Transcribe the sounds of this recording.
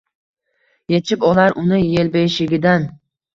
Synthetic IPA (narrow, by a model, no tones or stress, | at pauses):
je̞t͡ʃʰɪpɒlaɾʔʊnɪje̞lbejʃɪɡʲɪd̪an